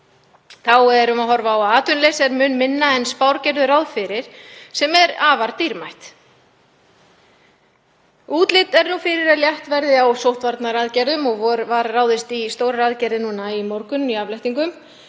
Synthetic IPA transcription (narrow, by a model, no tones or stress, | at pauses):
θawɛɾʏmaðɦɔɾvaawaːt̪ʏnlesɛɾmʏːnmɪnːaɛnspawɾcɛɾðʏɾrawðfɪɾɪɾ̥sɛmɛɾaːvaɾt̪iɾmajht̪ | uːt̪lɪt̪ɛɾnufɪɾɪɾaðljaht̪vɛɾðɪawsowht̪vaɾt̪naɾaːðcɛɾðʏmɔɣvɔɾvaɾrawðɪst̪ist̪oːwɾaɾaːðcɛɾðɪnuːnaimɔɾkʏniavlajht̪iŋkʏm